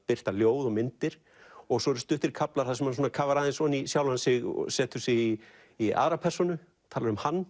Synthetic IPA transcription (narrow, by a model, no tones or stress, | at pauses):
pɪr̥t̪aljoːwðɔɣmɪnt̪ɪɾ̥ | ɔɣsɔɛɾʏst̪ʏht̪ɪɾkʰaplaɾ̥θasɛmhansuːnakʰavaɾaðɪnsɔnisjawlansɪɣɔ̰sɛːt̪ʏsɪɣi | ia̰ːɾapʰɛr̥sɔnʏ | t̪ʰaːlaɾʏmhanː